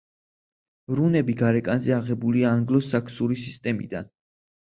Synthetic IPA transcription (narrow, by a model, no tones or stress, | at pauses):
ɾunɛbiɡaɾɛkʼanzɛaʁɛbuliaːŋɡlˠɔsakʰsuɾisist̪ʼɛmḭd̪a̰n